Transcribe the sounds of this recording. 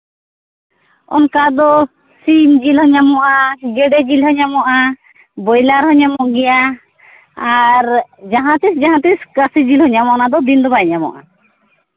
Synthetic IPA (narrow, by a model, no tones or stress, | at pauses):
ɔ̰nkad̪ɔ | simd͡ʒilɦɔɲamɔʔaɡɛɖɛd͡ʒilhɔɲamɔʔa | bɔjlaɾhɔɲamɔɡɛja | aɾd͡ʒaɦãt̪isd͡ʒaɦãt̪iskəsid͡ʒilhɔɲamɔnad̪ɔb̪ind̪ɔbaɲamɔ̰ʔa̰